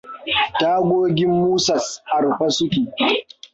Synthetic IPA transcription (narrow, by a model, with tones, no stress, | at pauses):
taː˦ɡʷoː˦ɡʲɪ˦mːuː˦sɐ˨sʔa˨ɾɸa˦sʊ˦kʲiː˨